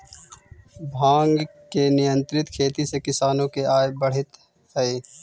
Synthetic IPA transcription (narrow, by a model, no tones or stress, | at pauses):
bʱãːŋɡkenɪjə̃nt̪ɾɪt̪kʰeːt̪isekɪsaːnõkeaːjbɐɽ̤ɪt̪ | hɛeː